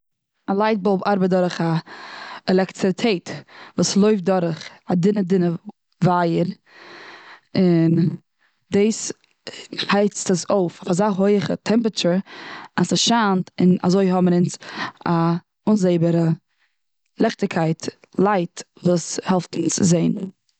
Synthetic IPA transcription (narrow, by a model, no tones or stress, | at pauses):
alˠaɪt̚bolˠbaɾbət̚dɔɾəχa | ɛlˠɛktɪtʰeɪtvuːslˠoʏfdɔɾəχadɪnədɪnə | vajəɾ | ɪn | deːs | haɪt͡stəsoʊfafazaːɦoɪχə̰tʰɛmpɾət͡ʃəɾasaʃaːntɪna̰zoɪɦɔməɾɪnsa | ʊnzeɪbəɾə | lˠɛχtɪkʰaɪt | lˠaɪt | vuːshɛlˠftn̩t͡sɪzeɪn